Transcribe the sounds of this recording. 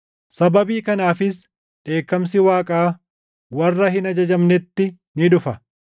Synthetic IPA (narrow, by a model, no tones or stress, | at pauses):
sɐbɐbiːkɐnaːfɪs | ᶑe̞ːkːɐms̬ɪwaːkʼaː | wɐrːɐhɪnɐd͡ʒɐd͡ʒɐmnɛt̪ːɪ | nɪᶑʊfɐ